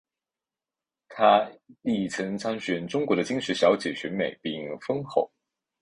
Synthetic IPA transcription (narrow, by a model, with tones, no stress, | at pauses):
t̪ʰa˥li˥˩t͡sʰɤ˧˥ŋt͡sʰɑ˥ŋɕɥɛ˧˥˩nʈ͡ʂʊ˥ŋkwɔ˧˥d̪ə˧t͡ɕi˥ŋʂɻ̩˥˩ɕjɑ˧˥ʊt͡ɕjɛ˨˩ɕɥɛ˧˥nme˨˩˦ɪpi˥˩˧ŋfɤ˥ŋxo˥˩ʊ